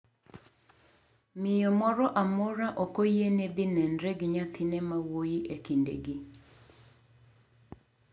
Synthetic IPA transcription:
mɪjɔmɔɾɔʔamɔɾaʔɔkojened̪ɪnɛndɾɛɡɪɲat̪ʰɪnɛmawojiʔekindḛɡi

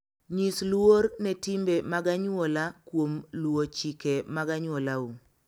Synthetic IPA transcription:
ɲislwoɾnɛtimbemaɡaɲolakwomlwot͡ʃikemaɡaɲwolau

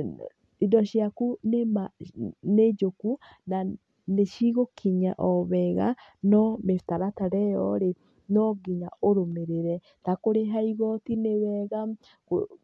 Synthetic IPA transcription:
idɔʃjakunemaned͡ʒoku | na | neʃiɣokʰiɲa̰ʔɔβɛɣa̰nɔmeftaɾataɾɛjɔ̰ɾe | nɔɡiɲaoɾomeɾeɾɛ | takoɾeɦaiɣɔtinewɛɣa | ko̰

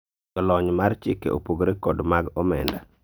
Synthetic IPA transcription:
ɔlɔɲmart͡ʃɪkḛo̰poɡɾekɔdmaɡɔmɛ̰nda

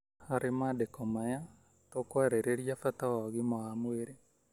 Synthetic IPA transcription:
haɾemadekɔmaja | tokwaɾeɾeɾjafatawaɣimɔamweɾe

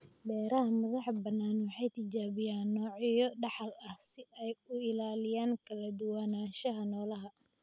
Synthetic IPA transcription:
bɛːɾɐɦɐmɐðɑħbɐnːaːnwɑħɑjt̪ʰɪd͡ʒaːβɪjaːnːɔːʕɪjɔɖɑħɑlɐhsɪɛjʊɪlaːlɪjaːŋkʰɐlɐd̪ʊwaːnaːʃɐɦɐnɔːlɐɦɐ

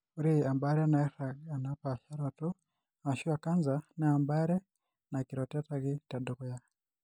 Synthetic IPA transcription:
uɾiambaɾɛnataanapaʃaɾatu | aʃuakanzanaambaɾɛ | nakiɾɔtataɣitadukuja

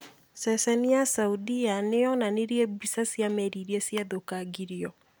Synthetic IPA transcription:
sɛsɛniasauðianeɔnaneɾiɛbisasiamɛɾiɾiɛsiaðokaɡiɾiɔ

